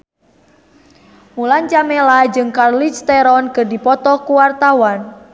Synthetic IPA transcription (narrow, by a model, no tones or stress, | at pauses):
mulant͡ʃamelad͡ʒɨŋkarlit͡ʃt̪eɾɔnkɨrdipɔt̪ɔkuwart̪awan